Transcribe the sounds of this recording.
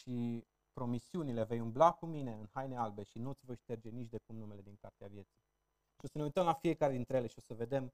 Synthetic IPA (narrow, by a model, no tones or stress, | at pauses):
ʃi | pɾo̞misiunile̞ve̞jumblakumine̞ɨnhajnealbe̞ʃinut̪sʲvo̞jʃt̪e̞rd͡ʒe̞nit͡ʃd̪e̞kumnume̞le̞d̪iŋkart̪eavje̞t̪si | ʃio̞səne̞ujt̪əmlafie̞kaɾe̞d̪int̪ɾeele̞ʃio̞səve̞d̪e̞m